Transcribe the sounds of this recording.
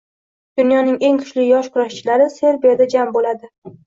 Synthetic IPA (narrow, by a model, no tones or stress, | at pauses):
d̪̥ʊnjɒnɪŋe̞ŋkʰʊ̥ʃlɪjɒʃkʰʊɾaʃt͡ʃʰɪlaɾɪse̞ɾbijad̪ad͡ʒambolad̪ɪ